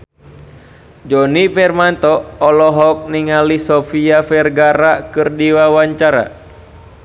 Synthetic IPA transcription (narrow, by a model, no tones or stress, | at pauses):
d͡ʒɔnifɛrmant̪ɔːlɔɦɔk̚niŋalisɔfiafɛrɡaɾakɨrdiwawaɲt͡ʃaɾa̰